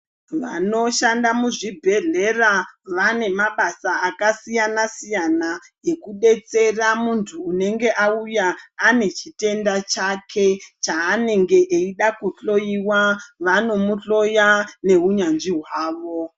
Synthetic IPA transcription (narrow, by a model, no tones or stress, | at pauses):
ʋano̞ʃandamuʐibʱe̞ɮe̞raʋane̞maɓasaakasijanasijana | ekuɗe̞t͡se̞ramuntʰuːne̞ŋɡe̞ʔaujaːne̞t͡ʃite̞ndat͡ʃakʰet͡ʃaːne̞ŋɡe̞ʔeiɗakuɬo̞jiwaʋano̞muɬo̞jane̞uɲanʐiɦwaːʋo̞